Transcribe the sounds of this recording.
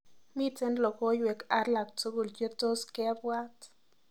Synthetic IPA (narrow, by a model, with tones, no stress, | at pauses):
mi˦t͡se˦nlo˨ko˦jwe˨ka˦ɾla˨k̚t͡so˦ɡu˨lje˦t̪o˦ske˦bwa˦t̪